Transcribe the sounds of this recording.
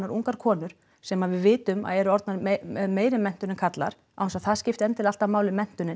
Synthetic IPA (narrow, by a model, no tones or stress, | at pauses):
aɾʔuŋkaɾ̥kʰɔːnʏɾ̥ | sɛmaðvɪðvɪːt̪ʏma̰ðɛɾʏɔɾt̪naɾmeːjɾɪmɛn̥t̪ʏnɪnkʰat̪la̰ɾ̥ | awnsaθaðscɪft̪ɛnt̪ʰɪlal̥t̪amaːwlɪmɛn̥t̪ʏnɪn